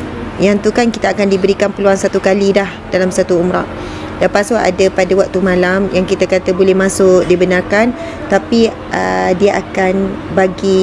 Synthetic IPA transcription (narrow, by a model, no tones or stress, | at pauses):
jaŋt̪ukankit̪aːkandibəɾikanpəluansat̪ukalidahd̥alamsat̪uumɾa̰ʔ̚ | dapasoa̰dapadawak̚t̪umãlamjaŋkit̪akat̪əbolɛhmãsʊkdibənarkan | t̪api | ʔədiaʔakanbaɡi